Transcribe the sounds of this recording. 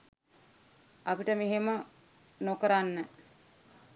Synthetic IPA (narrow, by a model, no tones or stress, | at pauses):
apiʈəmeɦemə | nokəɾanːə